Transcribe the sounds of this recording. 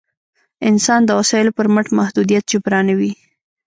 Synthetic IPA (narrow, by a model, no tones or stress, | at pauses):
ɪnsɑnd̪əwasɑɪlopəɾməʈmahd̪ud̪ijat̪̚t͡ʃepɾɑnawi